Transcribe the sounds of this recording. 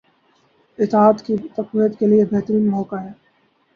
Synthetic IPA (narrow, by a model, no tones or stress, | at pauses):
ɪt̪aːt̪kit̪ɐqwijət̪keliebeɦt̪əɾiːnmɔːkaɦɛː